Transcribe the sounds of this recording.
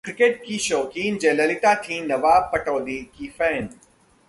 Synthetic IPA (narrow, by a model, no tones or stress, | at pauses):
kɾɪkeʈ̚kiːʃoːkiːnd͡ʒẽːlɐlɪt̪at̪ʰĩnɐʋaːpɐʈoːd̪ikiːfɛ̃ːn